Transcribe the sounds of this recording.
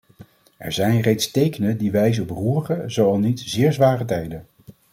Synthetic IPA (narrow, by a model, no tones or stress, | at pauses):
ʔɛ̰ɹzɛjnrejtstejkənədiʋɛjzəɔpruːrχəzowɑlˠnitzɪːɹzʋaːrət̬ɛjdən